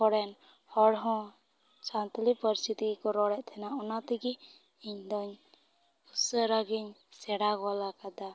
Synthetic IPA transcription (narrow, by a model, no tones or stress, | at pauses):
ɔɽɛn | hɔɽɦɔ̃ | sant̪lipəɾist̪ʰit̪ikɔɾɔɽɛʔt̪ʰɛnaʔɔnat̪iɡi | iɲd̪ɔɲ | usəɾaɡiɲsɛɽaɡɔlakad̪a